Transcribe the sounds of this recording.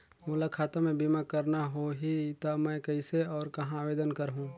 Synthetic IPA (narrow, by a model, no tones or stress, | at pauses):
muːlakʰaːt̪amẽbimakɐɾnaɦoɦit̪amɛ̃kɐɪseɔːɾkɐɦãːʋeːd̪ənkɐɾɦũː